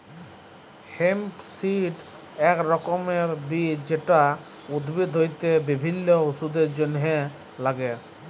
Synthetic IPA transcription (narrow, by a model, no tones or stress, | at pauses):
hempsiʈ | ɛkɾɔkɔmeɾbid͡ʑeʈaud̪bid̪ʱɦojt̪ebibʱinːɔusud̪eɾd͡ʑonɦe | laɡe